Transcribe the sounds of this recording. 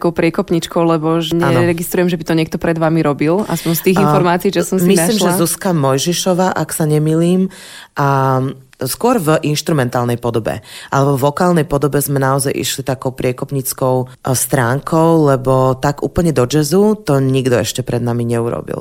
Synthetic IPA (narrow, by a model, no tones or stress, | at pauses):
t̪kɔʊpɾɪɛkɔpɲit͡ʃkɔʊlɛbɔʒɛɲaɛnɔɾɛɡist̪ɾujɛmʒɛbit̪ɔɲɪɛk̚t̪ɔpɾɛd̪ʋamiɾɔbilaspɔɲst̪iːɣinfɔɾmaːt͡siiːʒɛsɔmsmisliːmʒɛzuskamɔjʒiʃɔʋaːʔaksaɲɛmiːliːm | ʔa | skʊɔɾvʔinʃt̪ɾumɛnt̪aːlnɛjpɔd̪ɔbɛ̰ʔalɛbɔvɔkaːlnɛjpɔd̪ɔbɛzmɛnaɔzajʔḭʃlit̪akɔʊpɾɪɛkɔpɲit͡skɔʊst̪ɾaːŋkʰɔʊlɛbɔt̪aɡuːpl̩ɲɛd̪ɔd͡ʒɛzut̪ɔɲiɡd̪ɔɛʃcɛpɾɛd̪namiɲɛuɾɔ̰bḭl